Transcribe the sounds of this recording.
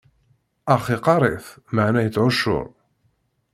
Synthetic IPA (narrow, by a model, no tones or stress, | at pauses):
ɑχiqɑɾˤeθməʕnæjət͡sːʕʊʃːʊ̰ɾˤ